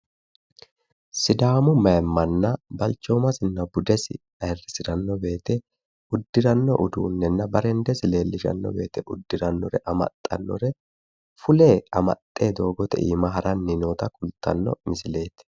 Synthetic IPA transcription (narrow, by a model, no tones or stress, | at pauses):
sɪd̪aːmʊmɐɛmːɐnːɐbɐlt͡ʃːoːmɐsɪnːɐbʊd̪ɛsɪ̰ | ɐjɛrɪsɪɾɐnːɔbe̞ːt̪ɛ | ʊd̪ːɪɾɐnːɔʔʊd̪uːnːɛnːɐbɐɾɛnd̪ɛsɪle̞ːlːɪʃɐ̰nːɔ̰be̞ːt̪ɛʔʊd̪ːɪɾɐnːɔɾɛʔɐmɐ̰t̪ʼːɐ̰nːɔ̰ɾɛ | fʊle̞ːɐmɐ̰t̪ʼːe̞ːd̪o̞ːɡɔt̪ɛ̰ʔḭːmɐɦɐɾʔɐnːɪnoːt̪ɐkʼʊlt̪ʰːɐ̰nːɔ̰mɪsɪle̞ːt̪ɛ̥